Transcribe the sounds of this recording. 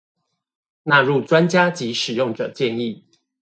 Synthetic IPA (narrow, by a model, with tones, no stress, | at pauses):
na˥˧ɻu˥˨ʈ͡ʂwa˦nt͡ɕja˥t͡ɕi˨˦ʂɻ̩˨˩jʊ˥˩ŋʈ͡ʂɤ˨˩t͡ɕjɛ˥˧ni˥˨